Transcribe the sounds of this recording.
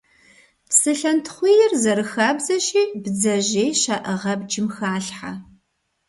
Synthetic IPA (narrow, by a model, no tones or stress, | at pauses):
sɨɬɐntʰχʷijɪrzɐɾɨxaːbzɐʃiːbzɐʑeːjɕɐʔɨʁɐbd͡ʒɪmxaːɬħa̰